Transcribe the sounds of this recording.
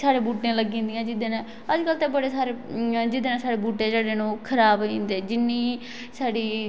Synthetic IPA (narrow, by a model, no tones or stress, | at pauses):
saːɽeːbuːʈẽːləɡĩːnd̪ɪjãːd͡ʒɪd̪ẽːnãː | əd͡ʒkəlt̪ebəɽeːsaːɾeːd͡ʒɪd̪eːnãːsaːɽeːbuːʈẽːd͡ʒəːɽeːnũːkʰəɾaːbĩːnd̪eːd͡ʒɪnːiː | saːɽiː